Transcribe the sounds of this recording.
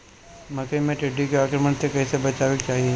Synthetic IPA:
mɐkəimẽʈɪɖːikeaːkɾəməɳsekɐɦisebɐt͡ʃaːʋɪkt͡ʃaːɦie

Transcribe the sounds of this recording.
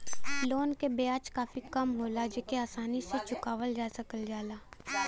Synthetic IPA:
loːnkebejaːt͡ʃkaːfikɐmɦoːlad͡ʒekeaːsaːniset͡ʃʊkaːʋəld͡ʒaːsɐkəld͡ʒaːlaː

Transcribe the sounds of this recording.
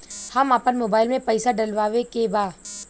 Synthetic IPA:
hɐmaːpənmoːbaːɪlmẽpɐɪsaɖɐlʋaːʋekebaː

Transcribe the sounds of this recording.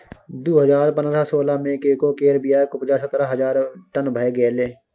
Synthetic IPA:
d̪uːɦəzaːɾpə̃nd̪ɾasoːlamẽkeːkokeːɾbijaːkʊpd͡ʒaːsət̪ɾaɦɐzaːɾʈənbʱəeɡeːleː

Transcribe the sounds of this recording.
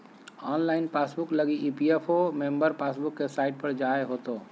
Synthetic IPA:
ɔnlaɪnpasbukləɡiʔipiepʰomembəɾpasbukːesaɪʈ̚pəɾd͡ʒaeɦot̪o

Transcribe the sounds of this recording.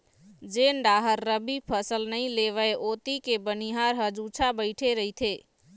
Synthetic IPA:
d͡ʒenɖaɦəɾːəbipʰəsəlnəĩleʋəeʔot̪ikebəniɦaɾɦəd͡ʒut͡ʃʰabəɪʈʰeɾəɦit̪ʰe

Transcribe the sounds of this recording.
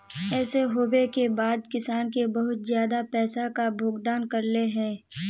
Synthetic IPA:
ɛːseɦoːwekebaːd̪kɪsaːnkebɐɦʊt̪zjaːd̪apɛːsakabʱoːɡd̪aːnkɐɾleɦɛ̃ː

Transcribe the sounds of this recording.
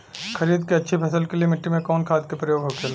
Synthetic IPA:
xɐɾiːd̪keɐtːʃʰipʰɐsəlkelijemɪʈːimẽkɔːnkʰaːd̪̚kepɾɐjoːɡɦoːkela

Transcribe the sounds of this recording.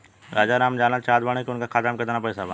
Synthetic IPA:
ɾaːd͡ʒanaːmd͡ʒaːnat͡ʃaːd̪baɽ̃ekiʊnkakʰaːt̪amkət̪ːnapɐisaba

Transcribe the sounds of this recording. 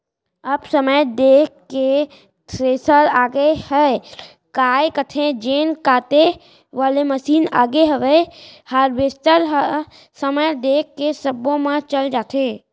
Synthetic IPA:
əbsəməjd̪eːkkːe | t̪ʰɾeːsəɾaːɡehɛ | kaːekət̪ʰẽd͡ʒeːnkaːt̪e | ʋaːleməsiːna̰ːɡeɦəʋehaːɾʋeːsʈəɾ | səməjd̪eːkːesəbõmãt͡ʃəld͡ʒaːt̪ʰeː

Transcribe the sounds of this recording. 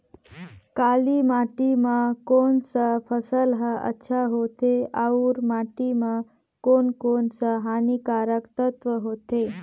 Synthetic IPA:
kalimaʈimãkonsəpʰəsəlɦəə̰tːɕʰaɦot̪eauːɾmaʈimã | konkonsəɦanikaɾəkt̪ət̪ʋəɦot̪e

